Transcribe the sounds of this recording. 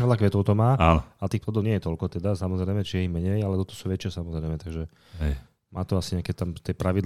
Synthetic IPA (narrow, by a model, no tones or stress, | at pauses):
ɛdlakʋɛt̪ɔʊt̪ɔmaːa̰nɔat̪iːxplɔd̪ɔʊɲɪɛjɛt̪ɔlkɔt̪ɛd̪asamɔzɾɛjmɛt͡ʃiɛimɛɲɛjalɛt̪ɔt̪ɔ̥suːʋɛt͡ʃɪasamɔzɾɛɪmɛt̪aɡʒɛ | ɛ | mʔaːt̪ɔasiɲɛakɛt̪amt̪ɛpɾaʋid̪